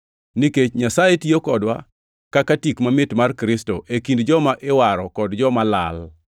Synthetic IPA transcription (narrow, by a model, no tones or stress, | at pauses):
niket͡ʃɲasaetjokɔdwa̰ | kakatikmamɪtmarkɾɪstoʔekindd͡ʒɔmaʔɪwaɾɔkɔdd͡ʒɔmala̰l